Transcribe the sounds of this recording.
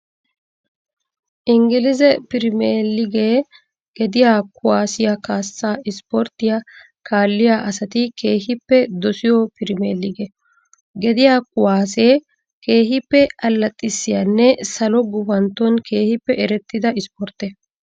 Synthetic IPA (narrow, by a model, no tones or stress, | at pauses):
ʔɪŋɡɪlɪzɛpɪɾɪmeːlːɪɡeː | ɡ̥ɛd̪ɪjaːkʊwaːsɪjakaːsːaːɪspɔɾt̪ːɪja | kʰaːlːɪjaːʔɐsɐt̪ɪke̞ːhɪpːɛd̪ɔsɪjɔpɪɾɪmeːlːɪɡɛ | ɡɛd̪ɪjaːkʊwaːseː | ke̞ːɦɪpːɛɐlːɐt̪ʼːɪsːɪjanːɛsɐlɔɡʊfɐnt̪ːɔnkʰe̞ːhɪpːɛʔɛɾɛt̪ːɪd̪ɐɪspɔɾt̪ːɛ